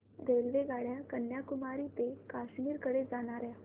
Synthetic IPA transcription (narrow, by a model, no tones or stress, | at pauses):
ɾelʋeɡaɽjakənjakumaɾit̪ekaɕmiːɾkəɽed͡zañaɾja